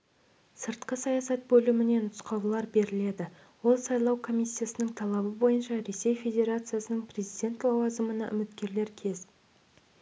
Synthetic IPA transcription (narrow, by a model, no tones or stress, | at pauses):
səɾt̪qəsɑjɑsɑt̪̚bɵlɪmɪne̞nʊsqɑwlˠɑɾbe̞ɾɪle̞d̪ɪ | wo̞lˠsɑjlˠɑwkʰo̞mʲijsʲːijasənəɴt̪ʰɑlˠɑbəbo̞jənʃɑɾe̞se̞jfe̞d̪ʲe̞ɾat̪sɨjasənəɴpʰrʲe̞zijd̪ʲe̞nt̪lˠɑwɑzəmənɑ̰ʔʏ̰mɪt̪kʲe̞ɾle̞ɾkʲʰe̞z